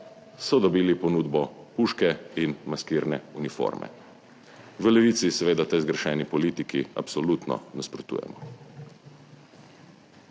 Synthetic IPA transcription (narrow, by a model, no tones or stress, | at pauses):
sɔd̪ɔbiːlipɔnuːd̪bɔpuːʃkɛinmaskiːɾnɛunifo̰ɾmɛ̰ | ʋəlɛʋiːt̪sisɛʋeːd̪at̪ɛzɡɾɛʃɛːnipɔliːt̪ikia̰psɔlut̪nɔ̰naspɾɔt̪ṵːjɛ̰mɔ